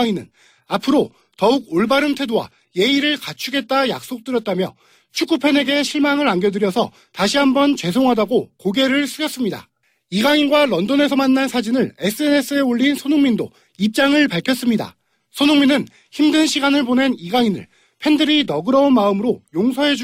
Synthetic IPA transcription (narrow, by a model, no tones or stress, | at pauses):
inɯ̰n | apʰɯɾo | tʌuɡ̚oɭbaɾɯntʰwe̞dowa̰ | je̞iɾɯɭkat͡ɕʰuɡe̞t̚t͈aja̰k̚s͈ok̚t͈ɯɾjʌt̚t͈amjʌ | t͡ɕʰuk͈upʰe̞ne̞ɡe̞ɕʰiɭmaŋɯɾanɡʌdɯɾjʌsʰʌ̰ | taɕʰiɦambʌnt͡ɕwe̞s̬ʰoŋɦadaɡokoɡe̞ɾɯɭs͈ʰɯɡjʌs͈ɯmɲida̰ | iɡaŋinɡwaɾʌndone̞sʰʌmanːansʰad͡ʑinɯɭe̞s͈ʰɯe̞ne̞s͈ɯe̞uʎːinsʰonuŋmindo̰ | ip̚t͡ɕ͈aŋɯɭpaɭkʰjʌs͈ɯmɲida̰ | sʰonuŋminɯn | çimdɯnɕʰiɡanɯɭpone̞niɡaŋinɯ̰ɭ | pʰe̞ndɯɾinʌɡɯɾʌunmaɯmɯɾojoŋsʰʌɦe̞d͡ʑ